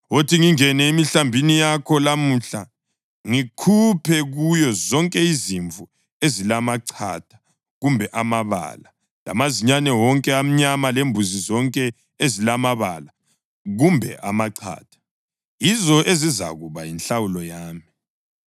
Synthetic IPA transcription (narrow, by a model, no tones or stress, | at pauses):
otʰiŋiŋɛnɛemiɬambʱinijakʰɔlamuɬa | ŋikʰupʰɛɣujɔzɔŋkʼɛiziɱvu | ezilamaǀʰa̰d̥ʰʱḁ | ɣumbʱɛʔamaβa̰la | la̰maziɲanɛwɔŋkʼɛam̩ɲamalembʱuzizɔŋkʼɛ | ezilamaβala | ɣumbʱɛ̰ʔamaǀʰa̰ːd̥ʰʱḁ | jizɔʔeziza̰ɣuβajinɬawulɔjaːmi